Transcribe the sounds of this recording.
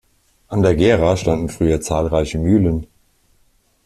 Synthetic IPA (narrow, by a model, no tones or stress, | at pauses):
ʔandeːɐɡeːʁaʃtandn̩fʁ̥yːɐt͡saːlʁaɪçəmyːlən